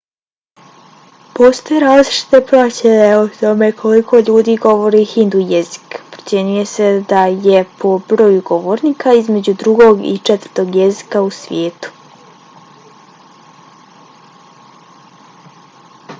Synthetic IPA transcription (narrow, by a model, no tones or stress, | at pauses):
po̞st̪ojeɾaːzliʃi̥t̪epɾat͡ɕejot̪o̞me̞kʰolikʰo̞ʎuːd̪iːɡo̞ʋo̞ɾihind̪ujezi̥kpɾo̥sʲje̞ɲuje̞sed̪aje̞pʰo̞bɾoːjuɡo̞ʋoːɾniːkaizme̞d͡ʑud̪ɾuɡo̞ɡḭt͡ʃɛt̪ər̥ɾt̪o̞ɡjezi̥kausʋʲje̞ːt̪u̥